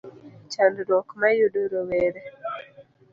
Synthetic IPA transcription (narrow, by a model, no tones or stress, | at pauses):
t͡ʃandɾɔkmajudoɾoweɾe